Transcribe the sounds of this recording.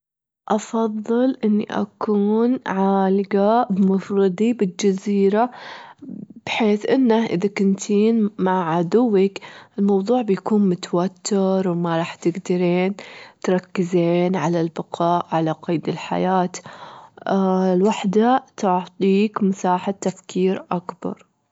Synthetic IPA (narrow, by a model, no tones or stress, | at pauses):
ʔɑfɑðˤːɨlʔɪnːḭʔa̰kuːnʕaːlɪɡabmʊfɾɨd̪ˤibɪld͡ʒaziːɾa | b̥ħeːθʔɪnːaʔɪ̰ðakʊnt̪ʰiːnmaʕʕad̪ʊwːɪkɪlmɑwðˤuːʕbjakuːnmʊt̪awat̪ːɪɾˤwmaɾˤɑːħt̪ɪɡd̪aɾeːnt̪ɾˤɑkːɪzeːnʕalalbɪqʰɑːʔʕalaqɑːd̪ɪlħa̰jaːt̪ | lwaħd̪at̪ʊʕt̪ˤiːkmʊsaːħat̪ːafkʰiːɾʔakbɑ̰ɾˤ